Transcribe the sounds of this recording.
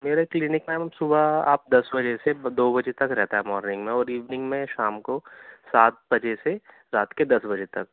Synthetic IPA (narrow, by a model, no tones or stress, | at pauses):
meːɾaklɪnɪkmẽmsʊbaa̰ːp̚d̪ɐsbɐd͡ʒesed̪oːbɐd͡ʒet̪ɐkɾɛɦt̪aɦɛmɔːɾnɪ̃ŋɡmẽɔːɾiːʋnɪ̃ŋɡmẽʃaːmkosaːt̪̚bɐd͡ʒese | ɾaːt̪ked̪ɐsbɐd͡ʒet̪ɐk̚